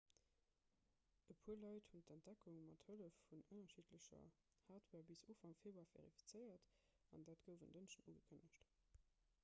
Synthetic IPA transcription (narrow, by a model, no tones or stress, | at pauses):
əpʰuːɐlɑɪthuntæntd̥ækʰuŋmɑthələfːunənɐʃiːtʰləɕɐ̰ | haːtʰwɛːɐbisoːfɑŋfeːbɐvḛʁifi̥t͡sɜɪɐt | ɑ̰ndaːtɡ̥əʊvəndənʃənṵːɡəkʰənəɕt